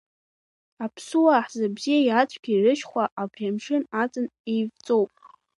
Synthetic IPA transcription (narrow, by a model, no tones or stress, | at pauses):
apʰsuwaħzabzijajat͡ɕʷʰʼɡʲiirɨʃχʷaʔabʁamʂɨnat͡sʼɨnejvt͡sʼo̞wpʼ